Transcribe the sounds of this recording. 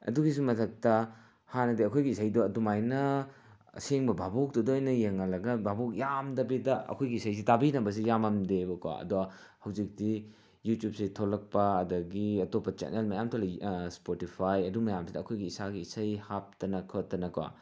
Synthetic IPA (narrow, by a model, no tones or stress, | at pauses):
ɐ̰duɡis̬umɐtʰɐk̚tɐ | hanɐdeɐkʰojɡiːsajdoɐdumajnɐ | seŋbɐbabok̚dɔdojnɐjeŋːɐlɐɡɐbabok̚jamdɐbidɐɐ̰kʰojɡiisɐjs̬itabinɐbɐs̬ijamɐmdebɐkwa̰ɐ̰duɐhɐwzik̚di | jutjup̚sitʰolɐk̚pɐːdɐɡiɐtopːɐt͡ʃḛnelmɐjamtʰolspotipʰajɐdumɐjamsidɐːkʰojɡiːsaɡiisɐjhap̚tɐnɐkʰotːɐnɐkwa̰